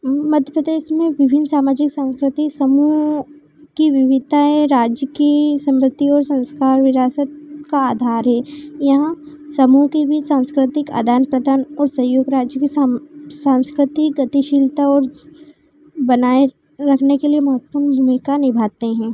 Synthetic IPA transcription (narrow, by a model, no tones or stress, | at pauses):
mɐd̪ʱjəpɾəd̪eːʃmẽʋɪbʱɪnsaːmaːd͡ʒɪksãːnskɾɪt̪isɐmu | kiʋɪʋɪt̪aɦɛɾaːd͡ʒjəkisɐ̃mpɾət̪iɔːɾsɐ̃nskaːɾʋɪɾaːsət̪̚kaaːd̪ʱaːɾɦɛːjɐɦã | sɐmukibʱit͡ʃsãːnskɾɪt̪ɪka̰ːd̪ʱaːnpɾɐd̪ʱaːnɔːɾsɐ̃joːɡɾaːd͡ʒjəkisãːnskɾɪt̪iɡɐt̪iʃiːlt̪aɔːɾ | bɐnaːe | ɾɐkʰnekeliemɐɦət̪əmdʱumikanɪbʱaːt̪eɦɛ̃ː